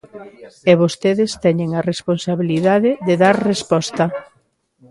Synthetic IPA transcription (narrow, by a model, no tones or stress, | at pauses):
eβost̪eðɪst̪ɛɲeŋaresponsaβiliðaðɪðeðaɾrespɔst̪ɐ